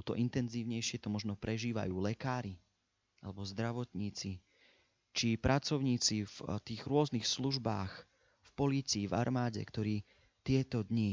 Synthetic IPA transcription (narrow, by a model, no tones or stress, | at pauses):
t̪ɔ̰ʔint̪ɛnziːʊɲɛjʃɪɛt̪ɔmɔʒnɔpɾɛʒiːʋa̰juːlɛkaːɾi | ʔalɛbɔzd̪ɾaʋɔt̪ɲiːt͡si | t͡ʃipɾʔat͡sɔʊɲiːt͡sift̪iːɣɾʊɔznixsluʒbaːx | fpɔliːt͡siːva̰ɾmaːɟɛ̰kt̪ɔɾiː | t̪ɪɛt̪ɔd̪ɲi